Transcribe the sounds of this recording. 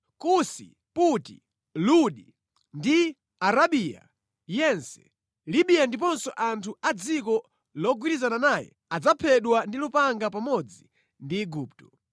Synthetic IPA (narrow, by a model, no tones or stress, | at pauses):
kusḭ | putḭ | luɗi | ndi | aɾaɓiːja̰ | jɛnsɛ̥̰ | liɓijandip̬ɔnsɔʔantʰuad͡zikɔ | lɔɡwiɾizananajɛ̰ | ad͡zapʰɛɗwandilupaŋɡapamɔd͡zi | ndiːɡuːp̚tɔ̥